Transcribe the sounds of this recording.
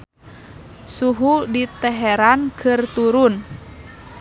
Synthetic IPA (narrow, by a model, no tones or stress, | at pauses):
suɦudit̪ɛɦɛɾankʰɨrt̪uɾun